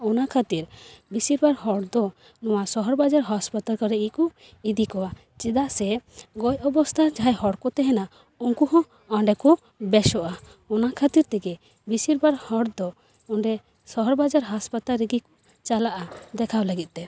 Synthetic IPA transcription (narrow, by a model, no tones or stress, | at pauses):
ɔnakʰat̪iɾbisiɾbaɾhɔɽd̪ɔ | nɔwasɔɦɔɾbad͡ʒaɾɦɔspat̪alkɔɾɛɡiku | id̪ikɔwa | t͡ʃɛd̪aʔsɛɡɔjɔbɔst̪ʰad͡ʒajhɔɽkɔt̪ɛɦɛna | uŋkuɦɔ̃ | ɔɳɖɛkɔ | bɛʃɔʔa | ɔnakʰat̪iɾt̪ɛɡɛ | bisiɾbaɾhɔɽd̪ɔ | ɔɳɖɛ | sɔɦɔɾbad͡ʒaɾɦaspat̪alɾiɡiku̥ | t͡ʃalaʔad̪ɛkʰawlaɡit̪̚ˀt̪ɛ